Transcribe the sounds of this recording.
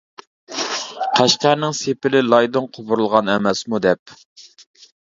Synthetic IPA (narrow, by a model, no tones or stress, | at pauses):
qʰæʃqæɾnɪŋsepɪlɪlˠɑjd̪oŋqʰobʊɾlˠʁɑnɛmɛsmud̪ɛp̚